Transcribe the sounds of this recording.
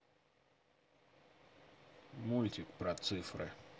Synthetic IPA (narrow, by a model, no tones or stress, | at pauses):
mulʲt̪ʲɪkpɾɐt̪sɨfɾɨ̰